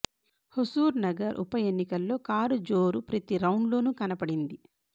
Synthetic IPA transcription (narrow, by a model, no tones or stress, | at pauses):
hosuːɾnɐɡɐɾʔṵpɐjenːikɐlːo̞ːkaːɾud͡ʒo̞ːɾupɾɐt̪iɾɐwɳlo̞ːnukɐnɐpɐɽind̪i